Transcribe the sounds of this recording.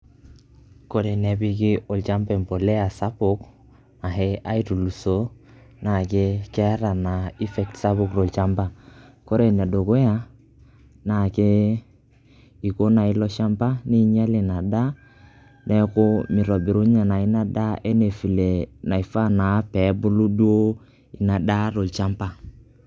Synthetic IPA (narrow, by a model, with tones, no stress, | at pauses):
ko˦ɾe˨ne˨bi˦kɪ˦o˨lt͡ʃa˦mbɛ˨m˨po˨le˦a˨sa˦bʊ˦k | na˨ɦe˦a˦i˦tu˨lu˨so˦ | na˨ke˦kɛ˦a˦ɾa˨na˨i˦fɛ˨k̚tsa˦bʊ˦˨kɾo˨lt͡ʃa˦mba˨ko˦ɾe˨ne˨do˨ko˦ja˦ | na˨ke˦ | i˨ko˦na˨i˦lɔ˦ʃa˦mpa˦ni˦ɲa˦le˨na˨da˦ | nɛ˦kʊ˦mi˨ɾɔ˨bi˨ɾu˦ɲa˨na˨i˦na˦da˦ʔe˦ne˨fi˨le˨na˨i˨fa˦na˨˦pɛ˨˦bu˦lu˦du˦o˦ | i˨na˨da˦ɾo˨lt͡ʃa˦mpa˦˨